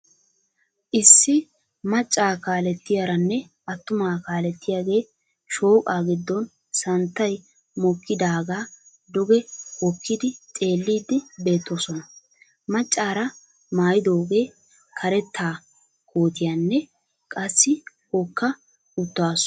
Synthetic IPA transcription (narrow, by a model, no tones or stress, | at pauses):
ʔɪsːɪ | mɐt͡ʃʼːaːkaːlɛt̪ːɪjaːɾɐnːɛ | ʔɐt̪ːʊmaːkaːlɛt̪ːɪjaːɡe̞ː | ʃo̞ːkʼaːɡɪd̪ːɔn | sɐnt̪ːɐj | mɔkːɪd̪aːɡaː | d̪ʊɡɛwɔkːɪd̪ɪt̪ʼe̞ːlːiːd̪ːɪbe̞ːt̪ːosɔnɐ | mɐt͡ʃʼːaːɾɐ | maːjɪd̪o̞ːɡe̞ː | kʰɐɾɛt̪ːaː | koːt̪ɪjaːnːɛ | kʼɐsːɪ | hɔkːɐ | ʊt̪ːaːs